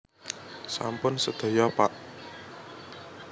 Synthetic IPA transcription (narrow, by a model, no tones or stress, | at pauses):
sa̰mpʊnsəd̪̥ɔ̤jɔpaʔ